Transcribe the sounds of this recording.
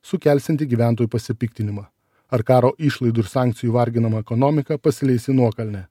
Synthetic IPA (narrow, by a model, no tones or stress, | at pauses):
sʊkʲɛˑlʲsʲɪnʲt̪ʲɪɡʲiːʋʲæˑnt̪oːjuːpɐsʲɪpʲɪkt̪ʲɪnʲɪmɑ | ɐɾkɑːɾoːʔɪːˑʃlˠɐɪd̪ʊɪɾsɑːˑŋʲkt̪sʲɪjuːʋɐɾʲɡʲɪnɐmɐɛkɔnɔmʲɪkɐpɐsʲɪlʲɛɪsʲɪnuɔkɐlʲnʲɛ